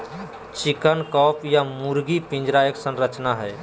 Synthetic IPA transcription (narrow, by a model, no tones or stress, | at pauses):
t͡ʃɪkənkɔːpʰjamuɾɡipĩnd͡ʒɾaːjəksə̃nɾət͡ʃnaɦɛː